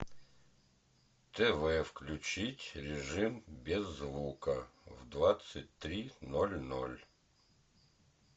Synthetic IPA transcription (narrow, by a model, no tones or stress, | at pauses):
t̪ɛvɛfklʲʉt͡ɕitʲɾʲɪʐɨmbʲɪzːvukəvd̪vat̪sɨt̚ʲt̪ɾʲinolʲno̰lʲ